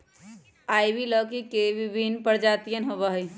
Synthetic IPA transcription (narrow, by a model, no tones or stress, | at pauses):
ajbiləkikebibʱinpəɾd͡ʒat̪ijənɦoβəɦəj